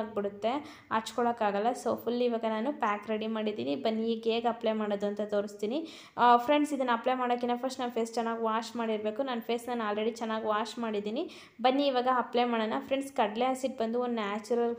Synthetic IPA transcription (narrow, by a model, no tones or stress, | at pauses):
ɡ̚biɽut̪ːe̞ | a̰ɾt͡ʃkɔɭɐːkaːɡɐlːɐsoːpʰulːiʋaːɡɐnaːnupaːkɾeɽimaːɽid̪iːnibɐnːiːɡeːɡɐplemaːɽod̪uɐnt̪ɐt̪oːɾist̪iːni | pʰɾeɳɖsid̪ɐnːɐɐplemaːɽɐk̬ːinːɐpʰɐsʈnaʋpʰeːst͡ʃɛnːaːɡiʋaːt͡ʃmaːɽiɾbeːkunaːnpʰeːsnaːnaːlɾeɽit͡ʃɛnːaːɡiʋaːt͡ʃmaːɽid̪iːni | bɐnːiːʋaːɡɐɐplemaːɽɐnːɐpʰɾeɳɖskɐɽleasiʈ̚bɐnd̪uond̪naːt͡ʃuɾɐl